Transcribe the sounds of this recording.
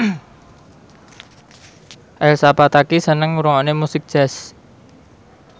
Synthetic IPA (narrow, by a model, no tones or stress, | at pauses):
ʔɛlsapat̪akisənəŋuɾɔŋɔnemusɪk̚ʒ̥ɛs